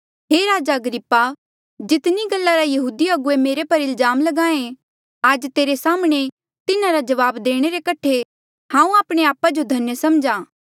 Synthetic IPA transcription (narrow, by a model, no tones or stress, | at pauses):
ɦeːɾaːd͡ʒaɐɡɾɪpːa | d͡ʒɪt̪niɡɐlːaɾajɐɦuːd̪iɐɡʊemeːɾepɐɾɪlzaːmlɐɡãːẽ | aːd͡ʒt̪eːɾesaːmɽ̃e | t̪ɪnãɾad͡ʒɐʋaːbd̪eːɽ̃eɾekɐʈʰe | hãːũaːpɽ̃eaːpad͡ʒod̪ʱɐnjəsɐmd͡ʒãː